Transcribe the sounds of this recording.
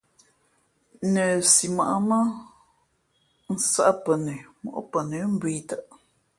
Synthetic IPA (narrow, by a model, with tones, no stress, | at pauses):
nə˨si˨ma˨ʔa˦mə˦ | n̩˨sa˦ʔa˦pə˨nə˨mo̰˨ʔpə˨nə˨˦m̩˦bi˦t̪ə˦˨ʔ